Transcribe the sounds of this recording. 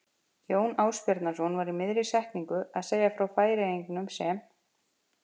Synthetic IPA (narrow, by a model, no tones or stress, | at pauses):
joːwnaːwspjɔɾt̪naɾsɔnvaɾimɪðɾɪ̥sɛht̪niŋkʏðaðseːjafɾawfaːjɾɪejŋknʏmsɛm